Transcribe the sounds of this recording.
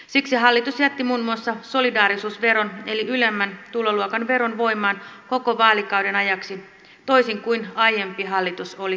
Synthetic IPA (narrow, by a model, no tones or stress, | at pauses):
siksiɦɑlːit̪usjæt̪ːimuːnmuɑsːɑso̞lidɑːɾisuːsʋe̞ɾo̞ne̞liylemːænt̪uloluokɑnʋe̞ɾo̞nʋo̞jmɑːnko̞ko̞ʋɑːlikɑwde̞nɑjɑksi | t̪o̞isiŋkuinɑjempiɦɑlːit̪uso̞li